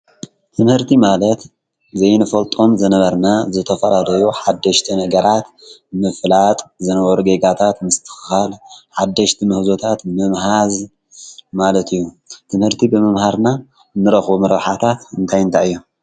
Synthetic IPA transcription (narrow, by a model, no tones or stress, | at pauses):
t̪ʰɨmhɨɾt̪ʰimalɐt̪ | zɐjnɨfɐlt̪ʼo̞mzɨnɐβɐɾnazɨt̪ʰɐfɐlad̪ɐjuħad̪ːɐʃt̪ʰinɐɡɐɾat̪ | mɨflat̪ʼzɨnɐβɐɾuɡeɡat̪ʰat̪mɨst̪ʰɨ̥xɨxalħad̪ːɐʃt̪ʰimɨhzot̪ʰat̪mɨmhaz | malɐt̪ʰɨjːu | t̪ʰɨmhɨɾt̪ʰibɨmɨmhaɾna | nːɨɾɐxbomɐɾɐβħat̪ʰat̪ɨnt̪ʰajɨnt̪ʰaɨjːu